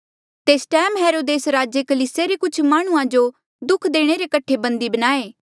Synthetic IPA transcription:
t̪eːsʈɛːmɦeːɾoːd̪eːsɾaːd͡ʒekɐliːsjeɾekʊt͡ʃʰmaːɽ̃uãd͡ʒo | d̪ʊkʰd̪eːɽ̃eɾekɐʈʰːebɐ̃nd̪ibɐnaːeː

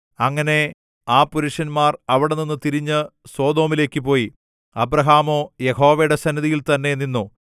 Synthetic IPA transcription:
ɐŋːɐne̞ | aːpuɾuʂɐnmaːrɐʋiɽe̞ninːɨt̪iɾiɲːɨso̞ːd̪o̞ːmile̞ːkʲːɨpo̞ːji | ɐbɾɐɦaːmo̞ːjeho̞ːʋɐjɽe̞sɐniðijilt̪ɐnːe̞ninːu

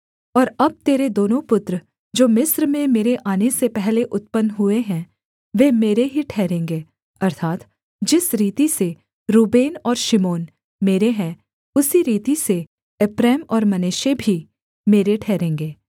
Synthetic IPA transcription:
ɔːɾɐb̚t̪eːɾed̪oːnõpʊt̪ɾə | d͡ʒoːmɪsɾmẽmeːɾeʔaːnesepɛɦleʔʊt̪̚pənɦʊeɦɛ̃ | ʋeːmeːɾeɦiʈʰɛːɾẽːŋɡeː | ɐɾt̪ʰaːt̪ | d͡ʒɪsɾiːt̪ise | ɾuːbeːnɔːɾʃɪmoːn | meːɾeɦɛ̃ | ʊsiɾiːt̪ise | ɪpɾɛːmɔːɾmɐneːʃebʱi | meːɾeʈʰɛːɾẽːŋɡeː

